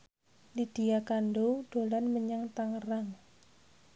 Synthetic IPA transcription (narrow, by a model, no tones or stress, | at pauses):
lid̥ijakanɖoɖ̥o̤lanməɲəŋt̪aŋəraŋ